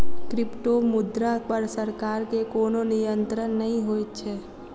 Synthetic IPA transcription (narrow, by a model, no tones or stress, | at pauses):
kɾɪpʈomʊd̪ɾapəɾsəɾkaːɾkekoːnonɪjənt̪ɾənːəɦĩɦoːjt̪t͡ʃʰɛː